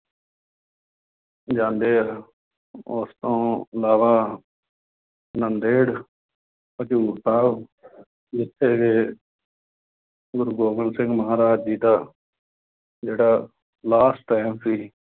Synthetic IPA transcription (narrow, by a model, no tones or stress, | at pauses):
d͡ʒãːnd̪eːa | ost̪õːəlaːʋaː | nənd̪eːɽ | pət͡ʃuːɾt̪aːʋ | d͡ʒɪt̪ʰːeːɡeː | ɡʊɾɡoːmənsɪ̃ŋɡməɦaːɾaːd͡ʒd͡ʒiːd̪aː | d͡ʒeːɽaː | laːsʈʈːaːmsiː